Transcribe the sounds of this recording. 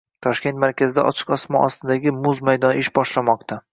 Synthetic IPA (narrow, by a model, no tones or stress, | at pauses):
t̪ʰɒʃkʲe̞nt̪maɾkʲʰazɪd̪a̰ʔɒ̰t͡ʃʰɨ̥qɒsmɒɒst̪ɪd̪aɡʲɪmʊzmajd̪ɒnɪʃbɒʃlamɒqt̪ʰa